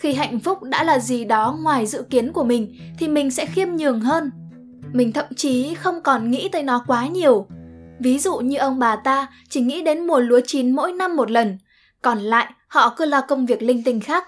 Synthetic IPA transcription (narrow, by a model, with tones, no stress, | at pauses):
xi˧ɦa̰˧˨jŋ̟fʊ˦˥k͡p̚ɗa̰ː˧˥laː˨˩zi˨˩ɗɔ˨˦ŋwaː˨˩jzɨ̰˧˨ki˨˦ənku˧˩əmï˨˩ŋ̟t̪ʰi˨˩mï˨˩ŋ̟sɛ̰˧˥xi˧əmɲɨ˨˩əŋɦəː˧n | mï˨˩ŋ̟t̪ʰə˧˨mt͡ɕi˨˦xə˧wŋ͡mkɔ˨˩nŋḭ˧˥t̪əː˨˦jnɔ˨˦kwaː˨˦ɲi˨˩əwvi˨˦zṵ˧˨ɲɨ˧ʔə˧wŋ͡mɓaː˨˩t̪aː˧ | t͡ɕi˧˩ŋḭ˧˥ɗe˨˦nmu˨˩əlu˨˦ət͡ɕi˨˦nmo̰˧˥jna˧mːo˨˩t̬̚lə˨˩n | kɔ˨˩nla̰ː˧˨jhɔ̰˧˨kɨ˧əlaː˨˩kə˧wŋ͡mvi˨˩ək̚lï˧ŋt̪ï˨˩ŋ̟xaː˦˥k̚